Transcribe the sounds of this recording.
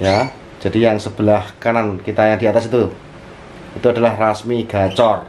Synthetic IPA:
ja | d͡ʒʒ̥ad̥ijaŋsəb̥əlahkanankit̪ajaŋd̪i̤at̪asit̪u | it̪uada̤lahrasmiɡ̥a̤t͡ʃɔr

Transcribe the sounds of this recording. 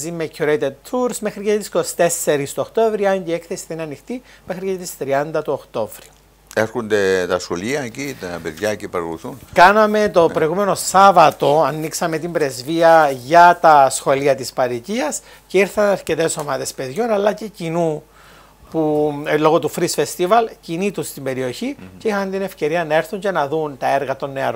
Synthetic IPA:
zimecʰuɾejt̪ed̪̚t̪ʰuɾsmexɾicet̪isko̞si̥t̪e̞sːe̞ɾist̪ooxt̪ovɾiɐɲɟiekθesi̥θinɐnixt̪ime̞xɾicet̪ist̪ɾiɐnd̪ɐt̪uoxt̪o̞vɾi | e̞ɾxund̪et̪ɐsxo̞liɐecit̪peðʝɐcepɐɾɣṵθunkɐnɐme̞t̪o̞pɾo̞iɣumeno̞sɐvɐt̪o̞ɐnːiksɐme̞t̪imbɾe̞zviɐʝɐt̪ɐsxo̞liɐt̪ispɐɾiciɐs | ceiɾθɐnɐɾce̞t̪e̞so̞mɐðe̞spe̞ðʝo̞nɐlːɐce̞cinu | pulo̞ɣo̞t̪ufɾisfest̪ivɐlcinit̪ust̪imbe̞ɾio̞çiceixɐnt̪ine̞fce̞ɾiɐnɐe̞ɾθuɲce̞nɐðunt̪ɐe̞ɾɣɐt̪o̞nːe̞ɐɾo

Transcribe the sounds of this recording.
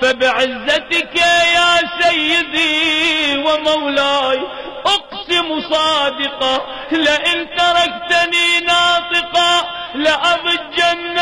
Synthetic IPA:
fabɪʕɪzːat̪ɪkajaːsajːɪd̪i | wɪmawlaːj | ʔʊqsɪmusˤɑːd̪ɪqɑ | lɪʔɪnt̪ɑɾˤɑkt̪aniːnɑːt̪ˤɨqɑlɪʔɑbˤɨd͡ʒːanː

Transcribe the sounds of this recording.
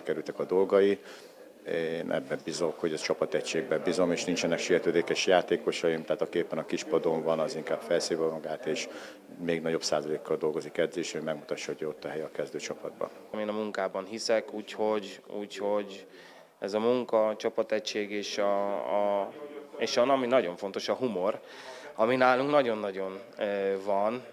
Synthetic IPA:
ikɛɾylt̪ɛkɒd̪o̞lɡɒi | eːnʔɛ̰bːɛbizo̞kho̞ɟɛt͡ʃɒpɒt̪ɛcʃeːɡ̚bɛbizo̞meːʃnint͡ʃɛnɛkʃijɛt̪øːd̪eːkɛʃjaːt̪eːko̞ʃɒimt̪aːt̪ɒkieːpːɛnɒkiʃpɒd̪o̞ɱvɒnɒziŋkaːb̥fɛlseːvɒmɒɡaːt̪eːʃ | meːɡnɒɟo̞bsa̰ːzɒleːkːɒld̪o̞lɡo̞zikɛd̪zeːʃɛomɛɡmut̪ɒʃːɒɦoɟo̞t̪ːɒɦɛjɒkɛzd̪øːt͡ʃɒpɒd̪bɒ̰n | meːnɒmuŋkaːbɒnɦisɛkuːcho̞ɟuːcho̞ɟ | ɛzɒmuŋkɒt͡ʃɒpɒt̪ɛcʃeːɡeːʃɒ | eːʃɒnɒminɒɟo̞ɱfo̞nt̪o̞ʃɒɦumo̞r | ɒminaːluŋknɒɟo̞nːɒɟo̞n | vɒn

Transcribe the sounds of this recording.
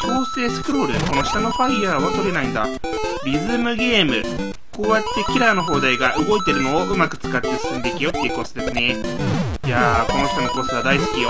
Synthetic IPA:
kʰʲo̞ːse̞ːsɨ̥kɯ̟ɾo̞ːɾɯ̟̰ko̞no̞ɕi̥t̪ano̞ɸaiːaːβat̪o̞ɾe̞naĩnd̪aɾʲizɨmɯ̟ɡʲe̞ːmɯ̟ | ko̞ːjat̪ːe̞kʲiɾaːno̞ɦo̞ːd̪aiɡaʔɯ̟ɡo̞it̪e̞ɾɯ̟no̞ːɯ̟makɯ̟̥t͡sɨ̥kat̪ːe̞sɨ̥sɨ̃nd̪e̞ikʲijo̞t̪ːeɯko̞ːsed̪e̞sɨne | jako̞no̞ɕi̥t̪anoko̞ːseβad̪aisɨ̥kʲijo

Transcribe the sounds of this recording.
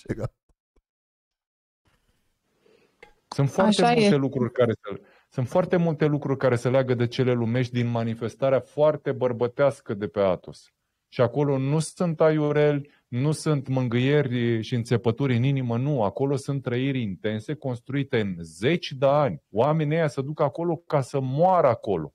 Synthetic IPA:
sunt̪foart̪eut̪elukɾurʲkae | sunt̪foart̪e̞mult̪e̞lukɾurʲkaɾe̞səleaɡəd̪et͡ʃe̞le̞lume̞ʃ̬t̪̚ʲd̪inmanife̞st̪aɾeafoart̪e̞bərbət̪easkəd̪e̞pe̞at̪os | ʃiako̞lo̞nusɨnt̪ajuɾe̞lʲ | nusɨnt̪mɨŋɡɨje̞rʲʃiɨnt̪se̞pət̪uɾʲɨninimənuako̞lo̞sunt̪ːɾəiɾʲint̪e̞nse̞ko̞nst̪ɾuit̪e̞ɨnze̞t͡ʃʲd̪eanʲoame̞nʲejasəd̪ukəako̞lo̞kasəmoaɾəako̞lo̞̰

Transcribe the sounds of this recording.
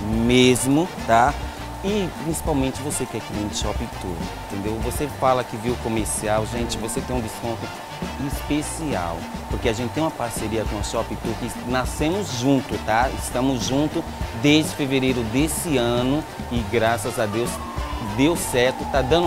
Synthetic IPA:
mezmʊt̪a | ɪpɾĩsi̥pawmẽnt͡ʃɪvosekɛkivĩʃɔpĩt̪ṵɾẽt̪ẽnd̪ewvosefalɐkɪviwʊkõmeɾsiawʒẽnt͡ʃɪvoset̪ẽj̃d͡ʒ̪ɪskõnt̪ʊ | ɪspesia̰wpoɾkeaʒẽnt͡ʃɪt̪ẽũmɐpaɾseɾiɐkõʊʃɔpĩt̪uɾkɪ | nasẽmʊzʒũnt̪ʊt̪aɪ̰st̪ɐ̃mʊzʒũnt̪ʊd̪ezd͡ʒɪfeveɾejɾʊd̪esɪɐ̃nʊɪɡɾasɐzad̪ews | d̪ewsɛɾt̪ʊt̪ad̪ɐ̃nd̪ʊ

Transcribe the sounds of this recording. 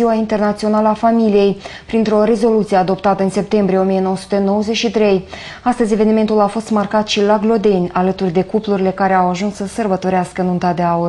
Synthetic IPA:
iwaint̪e̞rnat̪sio̞naləafamilije̞jpɾint̪ɾo̞ɾe̞zo̞lut̪sijead̪o̞pt̪at̪əɨnse̞p̚t̪e̞mbɾije̞o̞mije̞no̞wəsu̥t̪eno̞wəze̞t͡ʃʃit̪ɾe̞j | ast̪əzʲe̞ve̞nime̞nt̪ulafo̞st̪markat̪ʃilaɡlo̞d̪e̞nʲalət̪urʲd̪e̞kupluɾile̞kaɾeawaʒunsːəsərbət̪o̞ɾeaskəɨnunt̪ad̪e̞aur

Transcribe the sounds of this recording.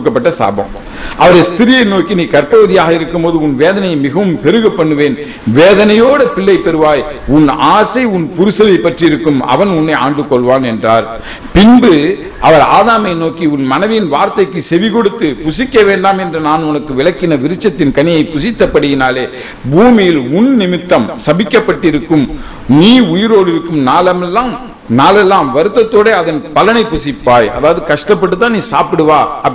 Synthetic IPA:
ɯkːɐpːɐʈːɐsa̰ːbɐ̰m | ʔɐʋɐɾɐɪst̪ɪɾɪjɐɪnoːkːiniːkɐɾpɐʋɐðɪjaːɣɐɪɾɯkːɯmpoːðɯʊnʋeːðɐnɐjɐmɪɣɐʋɯmpɛɾɯɣɐpːɐɳːɯʋeːn | ʋeːðɐnɐjoːɽɐpɪɭːɐɪpɛɾɯʋaːjʊnaːsɐɪʊnpʊɾɯsɐlɐɪpːɐʈriɪɾɯkːɯmɐ̰ʋɐnʊnːɐɪaːɳɖɯkːɔɭʋaːnɛndraːɾ | pɪnbɯ | ʔɐʋɐɾa̰ːðaːmɐɪnoːkiʊnmɐnɐʋɪnʋaːɾt̪ɐɪkːɯsɛʋɪkɔɽɯt̪ːɯpʊsɪkːɐʋeːɳɖaːmɛndrɐnaːnʊnɐkːɯʋɪlɐkːɪnɐʋɪɾɯt͡ʃːɐt̪ːɪnkɐnɪjɐɪpːʊsɪt̪ːɐpːɐɽɯjɪnaːleː | buːmɪjɪlʊnnɪmɪt̪ːɐmsɐbɪkːɐpːɐʈːɪɾɯkːɯm | niːʊjɪɾoːɽɪɾɯkːɯmnaːlɐmɛlːaːm | naːlɛlːaːmʋɐɾɯt̪ːɐt̪ːoːɽeɐðɐnpɐlɐnɐɪpːʊsɪpːaːjɐ̰ðaːʋɐðɯkɐʂʈɐpːɐʈːɯt̪ːãːniːsaːpɪɽɯʋaːɐ

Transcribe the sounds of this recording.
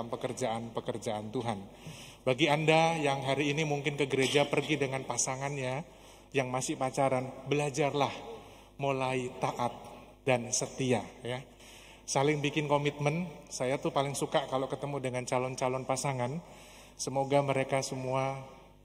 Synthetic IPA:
ampəkərd͡ʒaʔanpəkərd͡ʒaant̪uɦan | baɡiandajaŋɦaɾiːnimuŋkɪnkəɡəɾed͡ʒapərɡidəŋanpasaŋanja | jaŋmasɪpat͡ʃaɾanbəlad͡ʒarlah | molait̪aʔat̪̚ | dansət̪iaja | salɪŋbikɪnkomit̪̚mənsajat̪upalɪŋsukaʔkalokət̪əmudəŋant͡ʃalɔnt͡ʃalɔnpasaŋan | səmoɡaməɾekasəmua

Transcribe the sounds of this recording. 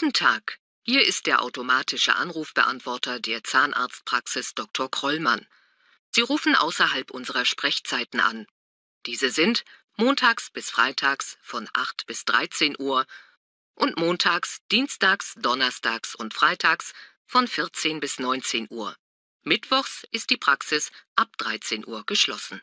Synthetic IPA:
tn̩tʰaːk | hiːɐɪst̚d̥eːɐʔa̰ʊtomaːtʰɪʃə̰ʔa̰nʁuːfb̥əʔa̰ntv̥ɔɐtɐdeːɐt͡saːnʔa̰ːɐt͡st̚pʁ̥aksɪsd̥ɔk̚tʰɔɐkʁ̥ɔlma̰n | z̥iːʁuːfn̩ʔa̰ʊsɐɦalpʔʊnzəʁɐʃpʁ̥ɛçt͡saɪtn̩ʔa̰n | d̥iːzəzɪnt | moːntʰaːksb̥ɪsfʁ̥a̰ɪtʰaːksfɔnʔa̰χtb̥ɪsd̥ʁa̰ɪt͡seːnʔuːɐ | ʔʊntmoːntʰaːksd̥iːnstaːksd̥ɔnɐstʰaːksʊntfʁ̥aɪtʰaːks | fɔnfɪɐt͡seːnbɪsnɔʏnt͡seːnʔuːɐ | mɪtv̥ɔχsʔɪst̚d̥iːpʁ̥aksɪsʔap̚d̥ʁaɪt͡seːnʔuːɐɡ̥əʃlɔ̰sn̩

